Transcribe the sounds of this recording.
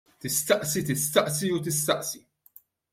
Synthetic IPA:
t̪ɪst̪ɐʔsit̪ɪst̪ɐʔsiut̪ɪst̪ɐʔsi

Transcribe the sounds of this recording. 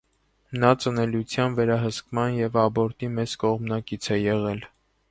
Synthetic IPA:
nɑt͡sənɛlut͡sʰjɑnvɛɾɑɦəskmɑnjɛvɑbɔɾt̪imɛt͡skɔʁmnɑkit͡sʰɛjɛʁɛl

